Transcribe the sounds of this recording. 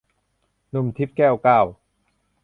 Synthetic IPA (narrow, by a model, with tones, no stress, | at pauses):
nu˧˩mt̪ʰi˦˥p̚kɛː˥˩wkaː˧˥˩w